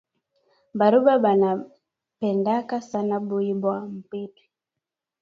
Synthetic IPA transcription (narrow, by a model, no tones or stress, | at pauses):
baɾubaɓana | pɛndakasanaɓuibwam̩pitwi̥